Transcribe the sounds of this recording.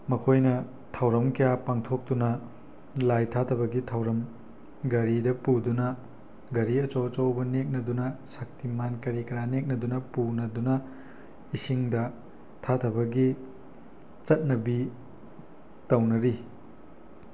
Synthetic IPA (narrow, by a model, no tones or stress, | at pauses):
mɐkʰojnɐ | tʰawɾɐmkɐjapaŋtʰok̚tunɐ | lajtʰatʰɐbɐɡitʰawɾɐm | ɡɐɾidɐpudunɐ | ɡɐɾiɐt͡ʃowɐt͡ʃowbɐnek̚nɐdunɐsɐk̚timankɐɾikɐɾanek̚nɐdunɐpunɐdunɐ | isiŋdɐ | tʰatʰɐbɐɡi | t͡ʃɐt̚nɐbi | tɐwnɐɾi